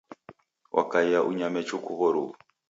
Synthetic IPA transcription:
wʔa̰kaiaʔuɲamɛt͡ʃukuɣɔɾu

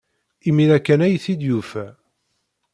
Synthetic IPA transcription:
imiɾækːænæjθid̪jufæ

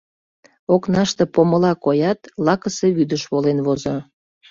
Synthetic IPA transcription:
oknɑʃt̪ĕpoməlɑkojɑt̪lɑkəseβyd̪əʃβolenβozo

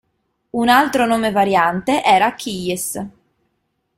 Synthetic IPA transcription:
unalt̪ɾonoːmevaɾjant̪eʔɛːɾakʰːiʎes

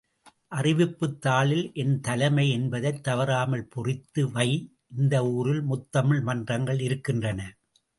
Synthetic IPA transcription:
ʔɐrɪʋɪpːɯt̪ːaːɭɪlʔɛnt̪ɐlɐmɐɪɛnbɐðɐɪt̪ːɐʋɐɾaːmɐlpɔrɪt̪ːɯʋɐɪ | ʔɪnd̪ɐuːrɪlmʊt̪ːɐmɯɭmɐndrɐŋɡɐɭɪɾɯkːɪndrɐnɐ

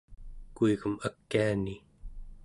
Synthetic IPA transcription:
kuiɣumakːiani

